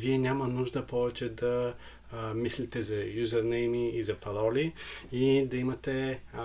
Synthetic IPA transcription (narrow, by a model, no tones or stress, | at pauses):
viɛnʲamənuʒd̪əpɔvɛt͡ʃɛd̪ɐ | mislit̪ɛzɐjuzəɾnɛjmiːzɐpɐlɔliid̪ɐimɐt̪ɛ